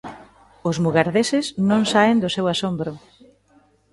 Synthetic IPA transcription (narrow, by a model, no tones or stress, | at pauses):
ʊzmuɣaɾðesɪsnõŋsaend̪ʊsewasombɾʊ